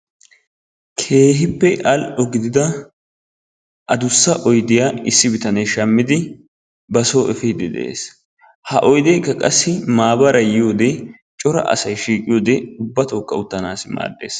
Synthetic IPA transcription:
kʰe̞ːɦɪpːɛʔɐlɔɡɪd̪ɪd̪ɐ | ʔɐd̪ʊsːɐʔɔjd̪ɪjaːɪsːɪbɪt̪ɐnɐjʃɐmːɪd̪ɪ | bɐsoːʔɛfid̪ɪd̪ɛ̰ʔḛːs | hɐʔɔjd̪eːkːɐkʼɐsːɪmaːbɐɾɐjɪjo̞ːd̪ɛ | t͡ʃʼɔɾɐ̰ʔɐ̰sɐjʃiːkʼɪjoːd̪ɛʊbːɐt̪oːkːɐʊt̪ːɐnaːsma̰ːd̪ːḛːs

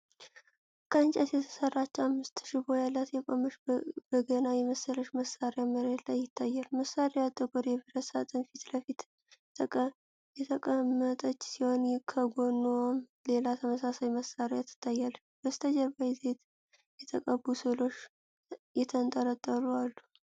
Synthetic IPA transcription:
kʰəɨnt͡ʃʼət̪jɛt̪ʰə̥sərːat͡ʃːamːɨst̪ʃɪbojalːat̪jɛkʼomɨʃb̥əɡənajɛməsəɾəʃməsaɾeaməɾet̪ʰlajːɪt̪ʰːajːalməsaɾead̪ʼːəɡʼoɾjɛbɨɾəsat̪ʼɨnfit̪ləfit̪ | jɛt̪ʰəkʼəmːət̪ʼət͡ʃːsiho̞nkʰəɡo̞nːum | lelat̪ʰəməsasajməsːaɾjat̪ʰːɨ̥t̪ʰːajːal | b̥əst̪ʰəd͡ʒəɾbajze̞t̪ | jɛt̪ʰəkʼəbusɨlo̞ʃ | jɛt̪ʰənt̪ʼəɾət̪ʼːəlualːu

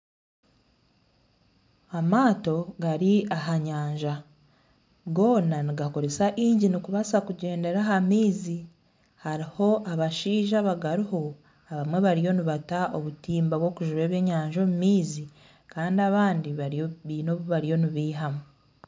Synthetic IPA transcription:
amaːto̞ɡaɾiaɦaɲaːɲʒa | ɡo̞ːnaniɡako̞ɾe̞saʔiːɲɟinikuβasakuɟe̞ːnde̞ɾaɦamiːzi | haɾiho̞ʔaβaʃiːʒaβaɡaɾiho̞ | aβamwe̞βaɾijo̞niβataoβutiːmbaβwo̞ːkuʒuβe̞ːβje̞ːɲaːɲʒo̞mumiːzi | kaːndiaβaːndiβaβiːno̞βuβaɾijo̞niβiːɦamu

